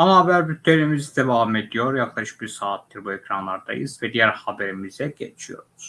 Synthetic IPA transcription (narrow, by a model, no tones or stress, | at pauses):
anabæɾbyt̪ʰːeɾimizid̪evaːme̞d̪ijo̞ɾjɑkʰlˠɑʃɯ̥biɾsaːt̪̚d̪ɯɾbuecʰɾanlˠaɾd̪a̰jɯ̰zvɛd̪ijæɾxɑbeɾimizɛɟet͡ʃʰijo̞̰ɾuz̥